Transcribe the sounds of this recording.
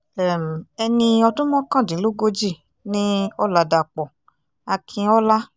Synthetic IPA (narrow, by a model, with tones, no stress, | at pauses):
ɛ˨m˨ɛ˧nĩ˧ɔ˧tũ˦mɔ̃˦kã˦˨dĩ˨˦lo˦ɡo˦d͡ʒi˦˨ | nĩ˦ɔ˦la˨da˨k͡pɔ˨ | a˧kʰĩ˧ɔ˦la˦